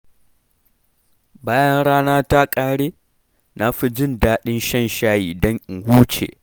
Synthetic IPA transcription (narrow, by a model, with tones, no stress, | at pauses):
baː˦jɐ˦nɽaː˦naː˦ta˦kʼaː˦ɽeː˦ | na˦ɸi˦d͡ʒɪ˦˨ndaː˦ɗɪ˦nʃɛ˦˨nʃaː˦jiː˨dɔ˦ŋʔɪ˨ŋhuː˦t͡ʃḛː˨ʔ